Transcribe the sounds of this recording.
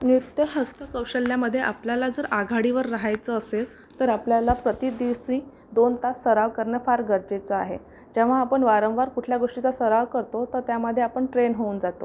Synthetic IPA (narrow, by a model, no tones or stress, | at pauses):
nut̪jəɦəst̪əkəwɕəljaməd̪ʱːjeʔapljalad͡zəɾaɡʱaɽiʋəɾːaɦajt͡səːsel | t̪əɾapljalapɾət̪id̪iʋsiː | d̪ont̪assəɾaʋkəɾɳjaəfaɾɡʱəɾd͡ʑet͡səa̰ɦḛ | d͡ʑeʋ̤aːpəɳʋaɾəʋʋaɾkuʈʰljaɡoʂʈit͡sasəɾaʋkəɾt̪ot̪əɾt̪jaməd̪ʱːjeapəɳʈɾenɦouːnd͡zat̪o̰